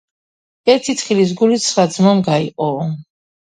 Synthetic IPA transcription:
ɛɾt̪ʰit̪χilis̬ɡulit̪sʰɾad̪zmɔmɡaiqʼɔvɔ

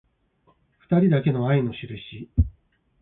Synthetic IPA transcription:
ɸɯ̟̥t̪aɾʲid̪ake̞no̞aino̞ɕiɾɯ̟ɕi

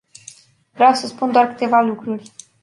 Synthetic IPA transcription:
vɾeawsəspund̪oarkɨ̥t̪e̞valukɾurʲ

